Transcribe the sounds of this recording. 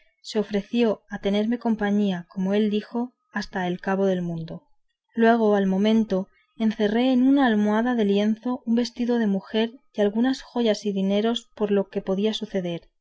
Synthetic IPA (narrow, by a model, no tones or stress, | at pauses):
se̞o̞fɾe̞θjo̞at̪e̞ne̞ɾme̞ko̞mpaɲiako̞mo̞e̞ld̪ixo̞ | ast̪ae̞lkaβo̞ðe̞lmũnd̪o̞ | lwe̞ɣ̞o̞almõ̞mẽ̞nt̪o̞ | enθe̞re̞ːnunaːlmoaðaðe̞lje̞nθo̞ʔumbe̞st̪iðo̞ðe̞muxe̞ɾdalɣunasxo̞ʝasiðine̞ɾo̞spo̞ɾlo̞ke̞po̞ðiasuθe̞ðe̞ɾ